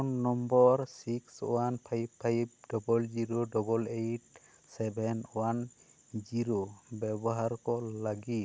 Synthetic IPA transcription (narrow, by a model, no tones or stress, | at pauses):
nːɔmbɔɾsiksw̰anpʰajbʰajb̚dɔbɔld͡ʒiɾoɖɔbɔlejʈ̚ | sɛbʱɛnwan | d͡ʒiɾobɛbɔɦaɾkɔlaɡi